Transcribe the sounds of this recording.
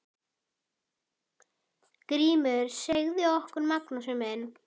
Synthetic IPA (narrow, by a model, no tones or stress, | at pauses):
kɾiːmʏɾ̥seɣðɪɔhkʏɾmaknɔsʏmɛn